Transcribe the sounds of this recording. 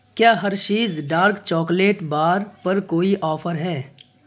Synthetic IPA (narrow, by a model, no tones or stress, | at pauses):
kjaːɦɐɾt͡ʃiːzɖaːɾkt͡ʃɔːkleːʈbaːɾpɐɾkoːiʔɔːfʰəɾɦɛː